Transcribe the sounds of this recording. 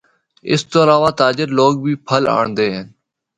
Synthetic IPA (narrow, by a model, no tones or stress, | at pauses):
ɪ̰st̪oːlaːʋaːt̪aːd͡ʒɪɾloːɡ̚bʱiːpʰəla̰ːɳnd̪eːɦɪn